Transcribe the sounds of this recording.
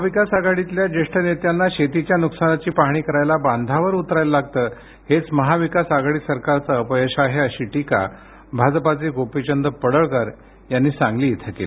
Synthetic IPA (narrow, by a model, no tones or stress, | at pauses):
məaʋikasaɡaɽit̪ljad͡ʑeʂʈənet̪janːaɕet̪it͡ɕjanuksanat͡ɕiːpaɦɳ̃iːkəɾajlaband̪ʱaʋəɾut̪ɾajləlaɡ̚t̪əː | het͡sməɦaʋikasaɡaɽiːsəɾkaɾt͡səəpəjəɕaɦeəɕiːʈika̰ | bʱad͡zpat͡seɡopit͡ɕənd̪əpəɽəɭkəɾ | janːiːsãŋɡliːet̪ʰəkḛle